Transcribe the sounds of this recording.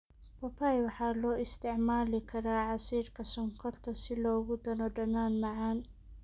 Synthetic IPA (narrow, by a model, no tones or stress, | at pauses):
pʰɐpʰajwɑħɑːlɔːɪst̪ʰɛʕmaːlɪkʰɐɾaːʕɑsiːrkʰɐsɔŋkʰɔrt̪ʰɐsɪlɔːɣʊd̪ɐnɔɖɐnaːnmɑʕɑːn